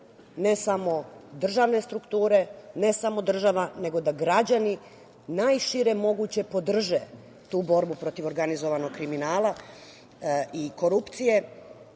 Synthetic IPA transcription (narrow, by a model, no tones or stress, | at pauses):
ne̞samo̞d̪r̩ʒaʋne̞st̪ɾukt̪uːɾe̞ne̞samo̞d̪r̩ʒaʋane̞ɡo̞d̪aɡɾad͡ʑani | najʃiɾe̞mo̞ɡut͡ɕe̞po̞d̪r̩ʒe | t̪uːbo̞ɾbupɾo̞t̪iʋo̞ɾɡanizo̞ʋano̞ɡkɾiminaːlˠa | iko̞ɾupt̪sije̞